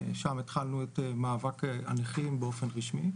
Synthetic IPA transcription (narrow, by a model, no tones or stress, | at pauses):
ʃamet̪χalnuet̪emaːvaka̰niχimbeofenʁiʃmi